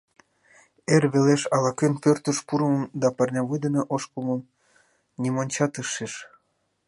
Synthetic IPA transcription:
erβeleʃɑlɑkenpørt̪əʃpuɾəmmd̪ɑpɑrnʲɑβujd̪əneʔoʃkuməm | nʲimonʲt͡ɕɑt̪əʃeʃ

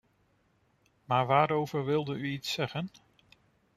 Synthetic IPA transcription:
maːɹʋaːɾowvəɹʋɪlˠdəyitsɛχən

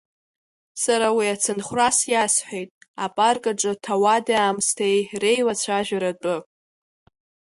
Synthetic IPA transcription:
saɾawiat͡sʰɨnχʷrasjasħʷᶣejtʼapʼarkʼaʈ͡ʂʼɨtʰawadaaːmstʰejre̞jwat͡ɕʷʰaʒᶣaɾat͡pʼʊ

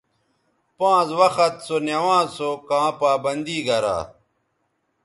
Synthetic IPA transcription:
pãːzwɐxɐt̪sonjɐwãːzsokãːpaːbɐnd̪iːɡɐɾa̰ː

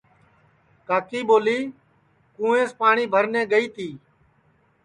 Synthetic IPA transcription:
kaːkiːɓoːliː | kũːẽːspaːɳiːbʱəɾnɛ̃ːɡəiːt̪iː

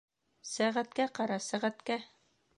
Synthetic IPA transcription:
sæʁæt̪kæqɑɾɑsæʁæt̪kæ

